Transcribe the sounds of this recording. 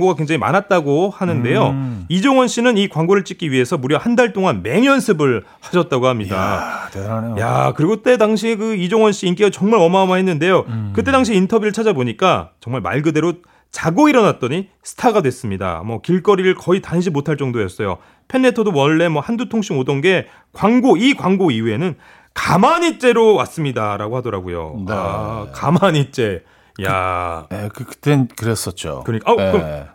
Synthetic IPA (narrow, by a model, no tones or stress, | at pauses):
ɡoɡakwe̞ŋd͡ʑaŋima̰nat̚t͈aɡohanɯnde̞joid͡ʑoŋwʌnɕ͈inɯnikwaŋɡoɾɯɭt͡ɕ͈ik͈iɥiɦe̞sʰʌmuɾjʌhandaɭt͈oŋanme̞ŋjʌnsʰɯbɯɭ | ɸaɕʰʌt̚t͈aɡohamɲida̰ | ja̰kɯɾiɡot͈e̞daŋɕ̬ʰikɯid͡ʑoŋwʌnɕ͈iːnk͈eɡat͡ɕʌŋmaɾʌmamahe̞nːɯnde̞jokɯt͈e̞daŋɕʰiːntʰʌbjuɾɯɭt͡ɕʰad͡ʑaboɲik͈at͡ɕʌŋmaɭma̰ɭɡɯde̞ɾo | t͡ɕaɡoiɾʌnat̚t͈ʌɲisʰɯ̥tʰaɡadwe̞s͈ɯmɲida̰mʌkiɭk͈ʌɾiɾɯɭkʌitanɕ̬ʰimotʰaɭt͡ɕ͈ʌŋdojʌs͈ʌjo̰ | pʰe̞nːe̞tʰʌdowʌɭːe̞mwʌhandutʰoŋɕʰimodʌnɡe̞ | kwaŋɡoikwaŋɡoiue̞nɯn | kamaɲit͡ɕ͈e̞ɾowas͈ɯmɲidaɾaɡohadʌɾaɡojo̰akamaɲit͡ɕ͈e̞ | ja̰ekɯkɯ̥t͈ekɯɾes͈ʌt̚t͡ɕ͈o̰kɯɾʌɲik͈ak